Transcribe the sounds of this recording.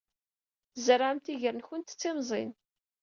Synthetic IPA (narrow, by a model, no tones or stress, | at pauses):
zəɾaʕəmt̪iʝəɾənçʊnt̪t͡sːimzˤḭn